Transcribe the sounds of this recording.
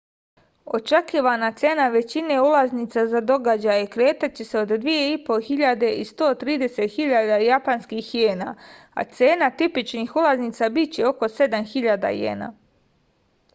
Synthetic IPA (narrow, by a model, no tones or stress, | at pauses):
o̞̰t͡ʃekiːʋanat̪se̞naʋe̞t͡ɕineulazniːt̪sazad̪o̞ɡad͡ʑajekɾe̞ːt̪at͡ɕe̞seo̞d̪d̪ʋije̞ipo̞xiʎad̪e̞ʔist̪o̞ːt̪ɾiːd̪e̞se̞t̪xiʎad̪ajapanskiːxjeːna̰ː | a̰t̪se̞ːnat̪ipit͡ʃnixulˠazniːt̪sabit͡ɕeo̞ko̞se̞d̪amxiʎad̪a̰jḛːna̰ː